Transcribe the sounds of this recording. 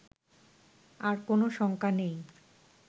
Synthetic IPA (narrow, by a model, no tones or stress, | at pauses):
aɾkonoʃɔŋkanej